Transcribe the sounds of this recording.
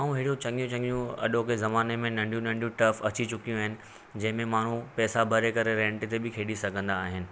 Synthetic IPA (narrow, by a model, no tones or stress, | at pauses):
aːũɦɪːɽiũt͡ɕɐ̃ŋɡijũt͡ɕɐ̃ŋɡijũɐ̰ɗõkezɐmaːnemẽnɐ̃ɳɖʱijũnɐ̃ɳɖijũʈɐfɐt͡ɕit͡ɕʊkijũaːɦɪnɪ̆ | d͡ʑɐ̃ɦɪ̃mẽmaːɳ̤ũpɛːsabʱɐɾekɐɾeɾɛ̃ːɳʈt̪ebɪkʰeːɗisɐɡʱə̃nd̪aːɦɪnɪ̆